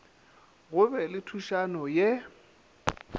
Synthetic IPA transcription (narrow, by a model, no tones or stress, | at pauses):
ɣʊbɛlɪtʰuʃanɔjɛ